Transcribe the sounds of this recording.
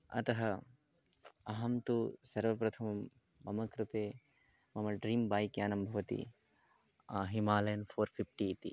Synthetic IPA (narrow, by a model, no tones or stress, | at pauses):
ɐ̰t̪ɐɦɐ | ɐɦɐmt̪usɐɾʋɐpɾɐt̪ʰɐmɐm | bɐmɐkɾɪt̪eː | mɐmɐɖɾiːmbaːjkjaːnɐmbʱɐʋɐt̪ḭ | aːɦimaːlɐjɐnpʰoːɾpʰipʰʈiːt̪ḭ